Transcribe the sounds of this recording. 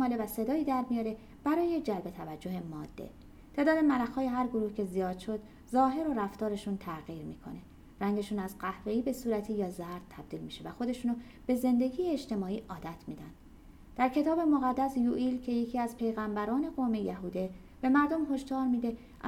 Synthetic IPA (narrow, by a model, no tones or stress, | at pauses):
mɒːlevæse̞d̪ɒːiːd̪æɾmijɒːɾe̞ | b̥æɾɒːje̞d͡ʒælbe̞t̪ʰævæd͡ʒːo̞ɦe̞mɒːd̪̥ːḛ | t̪ʰe̞ːd̪ɒːd̪emælæxhɒːjeɦæɾɡo̞ɾuːhcʰe̞zijɒːd̪̥ʃo̞d̪ | zɒːɦe̞ɾo̞ɾæft̪ɒːɾe̞ʃunt̪ʰæɣiːɾmiːkʰo̰ne̞ | ræŋɟeʃuːnæzɢæhve̞iːbe̞suːɾæt̪ʰijɒːzæɾd̪̥̚t̪ʰæb̚d̪iːlmiːʃe̞væxo̞d̪e̞ʃuːno | b̥e̞ze̞nd̪e̞ɟiːjeːd͡ʒt̪ʰe̞mɒːiːʔɒːd̪æt̪ʰmiːd̪ænd̪̥ | d̪̥æɾcʰe̞t̪ʰɒːbe̞mo̞ɣæd̪ːæsjuːʔilcʰe̞jecʰiːæzpʰe̞jɣæmbæɾɒːne̞ɣome̞jæɦuːd̪e̞ | b̥e̞mæɾd̪omɦo̞ʃd̪ɒːɾmiːd̪e̞